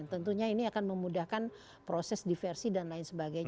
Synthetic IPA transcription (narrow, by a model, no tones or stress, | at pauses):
nt̪ənt̪uɲainiakanməmudahkan | pɾosɛsdifɛrsidanlaɪnsəbaɡaj